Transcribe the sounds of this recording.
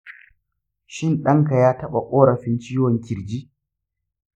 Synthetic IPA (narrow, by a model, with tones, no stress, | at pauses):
ʃɪ˦nɗɐ˦ŋka˨jaː˦tɐ˦ɓa˨kʷʼoː˦ɽɐ˨ɸɪ˦nt͡ʃiː˦wɔ˨ŋkʲɪ˨ɾd͡ʒiː˦